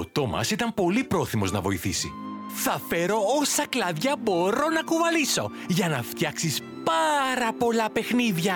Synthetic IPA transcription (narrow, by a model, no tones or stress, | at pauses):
ot̪o̞mɐ̰sit̪ɐmpo̞lipɾo̞θimo̞znɐvo̞iθisḭ | θɐfe̞ɾo̞osɐklɐðʝɐbo̞ɾo̞nɐkuvɐliso̞ | ʝɐnɐft̪çɐksis | pɐɾɐpo̞lɐpe̞xniðʝɐ